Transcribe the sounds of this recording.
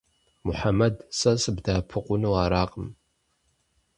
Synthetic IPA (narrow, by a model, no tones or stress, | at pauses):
mʊħamɐdsɐsɨbdaːpʰɨqʷʼʊnɨwaːɾaːqʼəm